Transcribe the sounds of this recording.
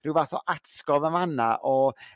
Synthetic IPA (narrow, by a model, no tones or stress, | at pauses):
r̥ɪwvaθɔ̰ʔatkɔvəmanaʔɔ